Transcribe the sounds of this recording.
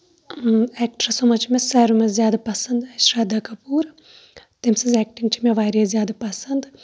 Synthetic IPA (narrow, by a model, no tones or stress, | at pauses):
ɛkʈɾɐsomɐt͡ʃimʲesɛɾumɐzjaːd̪ɐpɐsɐnd̪ɐʃɾaːd̪ɐkɐpuːɾɐ | t̪emsɐzɛk̚ʈiŋɡt͡ʃʰimeʋaːɾijɐzijaːd̪ɐpɐsɐnd̪ɨ